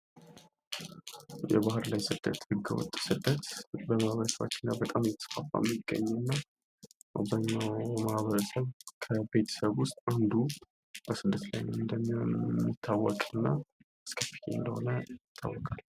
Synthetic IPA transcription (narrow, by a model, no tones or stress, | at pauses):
jɛ̰βahɨɾlajsɨd̪̥ːət̪hɨɡːəwɔ̰t̪ʼːsɨd̪ːət̪bəmahβəɾəsəβa̰t͡ʃːɪnːabət̪ʼamjɛt̪ʰə̥sfafʼa̰mːiɡːə̰ɲːɛnːa | bəɲːawmahβəɾəsəβkʰəbe̞t̪ʰə̥səβwʊst̪ʼand̪u | b̥əsɨd̪ːət̪lajnəmɨnd̪əmːimːit̪ʰːawːɔkʼɨnːa | skʰəfi̥t̪ʰḛɨnd̪əhonəjɪt̪ʰːa̰wːɔkʼal